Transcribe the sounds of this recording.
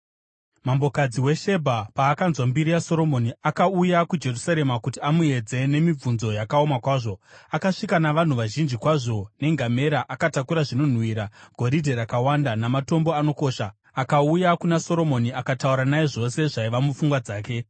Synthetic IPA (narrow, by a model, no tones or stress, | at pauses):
mambo̞kad͡ziwe̞ʃe̞bʱapaːkanzwambiɾijaso̞ɾo̞mo̞niakaujakud͡ʒe̞rusaɾe̞makutiamue̞d͡ze̞ne̞mib͡vunzo̞jakaomakwaːʐo̞akaʂikanaʋan̤uʋaʒind͡ʒikwaʐo̞ne̞ŋɡʱame̞ɾaʔakatakuɾaʐino̞n̤wiːɾaɡ̥ʱo̞ɾidʱe̞ɾakawandanamato̞mbo̞ano̞ko̞ːʃa | akaujakunaso̞ɾo̞mo̞niakatauɾanaeʐo̞se̞ʐaiʋamufuŋɡwad͡zaːke̞